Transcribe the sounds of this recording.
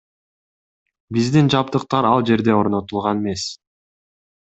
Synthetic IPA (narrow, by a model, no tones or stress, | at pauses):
bizd̪ind͡ʒɑp̚t̪ɯq̚t̪ɑɾɑlˠd͡ʒe̞ɾd̪e̞o̞ɾno̞t̪ulˠʁɑneme̞s